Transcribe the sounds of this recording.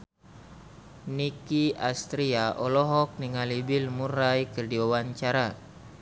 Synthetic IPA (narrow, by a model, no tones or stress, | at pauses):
nikiast̪ɾiaʔɔlɔɦɔk̚niŋalibilmuɾajkərdiwawaɲt͡ʃaɾa